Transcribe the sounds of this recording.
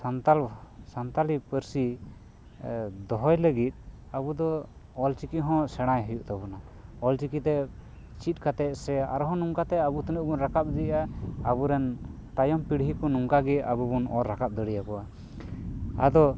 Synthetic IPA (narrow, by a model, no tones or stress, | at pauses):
sant̪alsant̪alipəɾsi | d̪ɔɦɔjləɡit̪̚ | abud̪ɔː | lt͡ʃikiɦɔ̃sɛɽ̃ajɦəjuʔt̪abɔna | ɔlt͡ʃikit̪ɛ | t͡ʃit̪̚ˀkat̪ɛʔ̚sɛa̰ɾɔɦɔ̃nuŋkat̪ɛabut̪ənəʔ̚bunɾakap̚d̪iaabuɾɛn | t̪ajɔmpiɽɦikɔnuŋkaɡɛa̰bubunɔɾːakap̚d̪əɽijakɔʔa | ad̪ɔ